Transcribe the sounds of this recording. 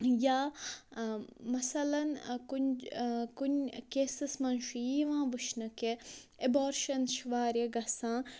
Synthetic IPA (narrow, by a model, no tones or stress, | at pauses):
jaː | mɐsɐlɐnkunkunʲkeːsɨsmɐnʃijiːʋãːʋɨʃnɐke | eboːɾʃɐnʃʋaːɾjeɡɐsãː